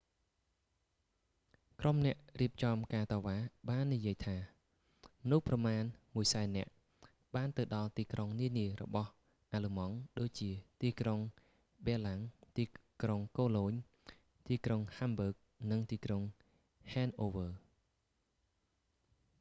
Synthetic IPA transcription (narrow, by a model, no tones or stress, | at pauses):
kromnɛ̆əʔriəp̚t͡ɕɑmkaːt̪ɑːʋaːɓaːnːijiəjt̪ʰaː | mənuhprɑmaːnmuəjsaɛnːɛ̆əʔ | ɓaːnt̪ɨwɗɑlt̪iːkroŋniəniəɾɔ̰ɓɑh | ʔaləmɑŋɗoːc̚t͡ɕiət̪iːkroŋ | ɓɛəlaŋt̪iːkroŋkoːloːɲ | t̪iːkroŋhambəːk̚nɨŋt̪iːkroŋ | hɛːnʔoːʋəː